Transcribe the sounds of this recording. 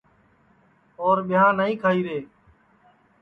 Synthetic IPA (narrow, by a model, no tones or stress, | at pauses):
oːɾɓɪjãːnaːĩːkʰaːiːɾeː